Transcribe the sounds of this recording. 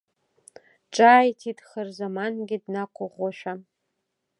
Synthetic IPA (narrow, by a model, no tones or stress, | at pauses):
ʈ͡ʂʼaːjtʰidχərzamanɡʲɪdnaqʷʰʊʁʷɔʃʷᶣa